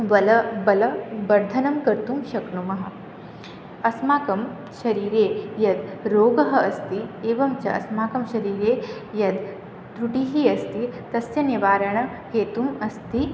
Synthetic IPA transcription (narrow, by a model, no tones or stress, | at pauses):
ʋɐlɐbɐlɐbɐɾd̪ʱɐnɐmkɐɾt̪umʃɐknumɐɦɐ̆ | ɐsmaːkɐm | ʃɐɾiːɾeːjɐd̪ɾoːɡɐɦɐ̆ɐst̪ieːʋɐmt͡ʃɐʔɐ̰smaːkɐmʃɐɾiːɾeːjɐd̪ | t̪ɾuʈiɦiɐst̪it̪ɐsjɐniʋaːɾɐɳɐ | keːt̪umɐst̪i